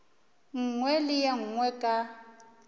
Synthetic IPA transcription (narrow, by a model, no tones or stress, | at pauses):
ŋ̩ŋwɛlɪjaŋ̩ŋwɛkʼa